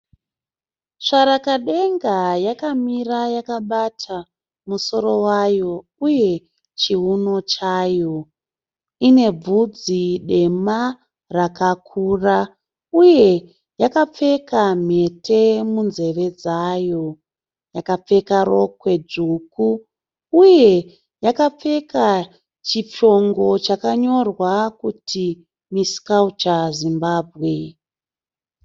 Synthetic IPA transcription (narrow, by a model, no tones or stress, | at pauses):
ʂaɾakaɗe̞ŋɡajakamirajakaɓatʰa | muso̞ɾo̞wajo̞ | uje̞ | t͡ʃiɦuno̞t͡ʃaːjo̞ | ine̞b͡vud͡ziɗe̞ma | rakakʰura | uje̞ | jakap͡fe̞kam̤e̞te̞munze̞ʋe̞d͡zajo̞ | jakap͡fe̞kaɾo̞kwe̞d͡ʐukuː | je̞ | jakap͡fe̞ka | t͡ʃit͡ʃo̞ŋɡo̞t͡ʃakaɲo̞rwakutʰi | miskaut͡ʃazimbaːbʱɣe̞